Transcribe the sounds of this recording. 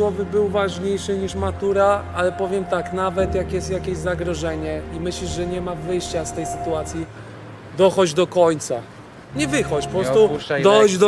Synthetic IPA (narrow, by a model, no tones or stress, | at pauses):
wɔvɘbɘwvaʐɲejʂɘɲiʂmat̪uɾaalɛpɔvʲjɛmt̪aknavɛt̪jakjɛst̪jakʲeɕzaɡɾɔʐɛɲɛimɘɕliʐɛɲɛmavɘjɕt͡ɕast̪ɛjsɘt̪uat̪sʲji | d̪ɔxɔd͡ʑd̪ɔkɔɲt̪sa | ɲɛvɘxɔt͡ɕpɔpɾɔst̪ud̪ɔxɔd͡ʑd̪ɔ